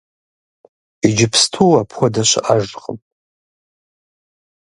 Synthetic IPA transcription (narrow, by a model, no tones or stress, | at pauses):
id͡ʒɪpʰstʰuapʰxʷadaʃʷaʒqʼə̰mʼ